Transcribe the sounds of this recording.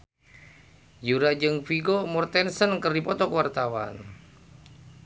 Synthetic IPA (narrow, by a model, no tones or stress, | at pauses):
juɾad͡ʒɨŋfiɡomɔrt̪ɛnsənkərdipɔt̪ɔkwart̪awa̰n